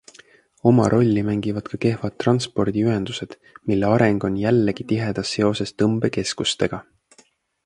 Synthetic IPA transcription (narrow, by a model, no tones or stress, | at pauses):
o̞mɑ̰ɾʔo̞lʲːimæŋɡ̥ivɑd̪̥kɑke̞hvɑt̪̚ːˑrɑnspo̞rd̪̥iyɦe̞nd̪̥use̞d̪̥ | milːeɑɾeŋɡ̥o̞njælːeɡ̥it̪iɦe̞d̪̥ɑsːe̞o̞se̞st̪ɤmb̥e̞ke̞skust̪e̞ɡ̥ɑ